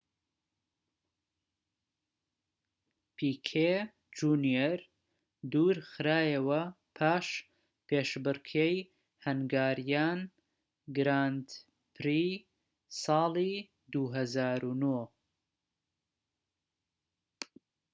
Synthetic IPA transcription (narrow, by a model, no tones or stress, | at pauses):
pʰiːkʰe | d͡ʒunjeɾ | d̪uːɾxɨɾaːjɐwɐ | pʰaːʃ | pʰeːʃbɨɾkʰej | hɐnɡaːɾjaːn | ɡɾaːnd̪ | pʰɾiː | sɑːlˠi | d̪uɦɐzaːɾunoː